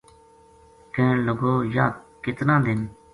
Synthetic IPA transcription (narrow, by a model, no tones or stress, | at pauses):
kẽːləɡoːjaːd̪̚kɪt̪nãːd̪ɪn